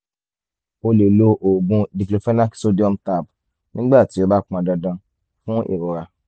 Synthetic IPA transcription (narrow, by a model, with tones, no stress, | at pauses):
o˧le˨lo˧ʔo˨ɡũ˧di˨plo˨fɛ˦na˦kso˦di˦ɔ˦mta˦˨b̚ | nĩ˦ɡ͡ba˦˨ti˨˦o˦ba˦k͡pã˧˨dɔ˧dã˧ | fũ˦ʔḭ˨ɾo˨ɾa˧